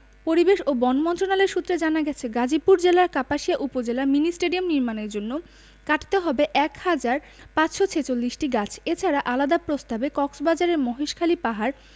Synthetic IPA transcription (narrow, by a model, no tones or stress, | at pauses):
poɾibeʃobɔnmɔnt̪ɾonaleɾʃut̪ːɾed͡ʑanaɡɛt͡ɕʰeɡad͡ʑipuɾd͡ʑelaɾkapaʃijaʔupod͡ʑelaɾminisʈeɖiomniɾmaneɾd͡ʑonːo | kaʈi̥t̪eɦɔbeʔɛkhad͡ʑaɾ | pat͡ɕʃot͡ɕʰet͡ɕolːiʃʈiɡat͡ɕʰet͡ɕʰaɾaʔalad̪apɾost̪abekɔksbad͡ʑaɾeɾmɔɦiʃkʰalipaɦaɾ